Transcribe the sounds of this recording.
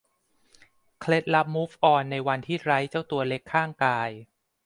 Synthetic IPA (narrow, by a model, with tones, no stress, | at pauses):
kʰle˦˥t̪̚la˦˥p̚mu˦˥fʔɔː˧nːa˧jwa˧nt̪ʰiː˥˩ɾa˦˥jt͡ɕa˥˩wt̪u˧ɐle˦˥kʰːaː˥˩ŋkaː˧j